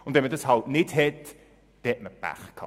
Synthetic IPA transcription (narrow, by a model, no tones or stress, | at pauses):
ʊndɛmədəshɑltnɪtɦɛt | d̥ɛt̚məb̥æ̰χkʰɑ̰